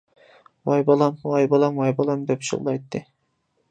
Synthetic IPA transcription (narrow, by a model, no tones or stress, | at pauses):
wɑjbɑlˠɑmwɑjbɑlˠɑmwɑjbɑlˠɑmd̪ɛpʃɨ̰ʁlˠɑjt̪ʰːɨ